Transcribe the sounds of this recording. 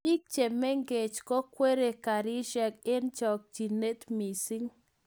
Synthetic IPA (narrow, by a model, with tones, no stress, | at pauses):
i˦k̚t͡ʃe˨me˦ŋɡe˨t͡ʃkɔ˦kwe˦ɾe˨ka˨ɾi˦ʃɛ˨kɪ˦nt͡ʃɔ˨k̚d͡ʒi˨ne˦t̪mi˨si˦ŋ